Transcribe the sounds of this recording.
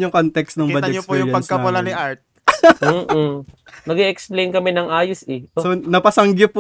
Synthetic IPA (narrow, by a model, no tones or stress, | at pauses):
ʊŋkont̪ɛkst̪nɐŋbɐd̪ɛɲopːjʊjpɐɡ̚kɐwɐlaniʔaɹt̪̚ | m̩ː | nɐɡɛʔɛksplejnkɐmɛnɐŋʔaːjosɛonɐpɐsɐŋɡɪp